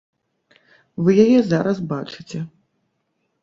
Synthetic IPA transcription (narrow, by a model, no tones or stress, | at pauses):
vɨjajɛzaɾɐsbat͡ʂɨt͡sʲɛ